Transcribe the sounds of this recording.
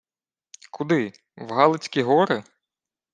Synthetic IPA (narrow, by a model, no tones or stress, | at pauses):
kʰʊd̪ɪ | wɦɑlˠɪt͡sʲkʲiɦɔɾɪ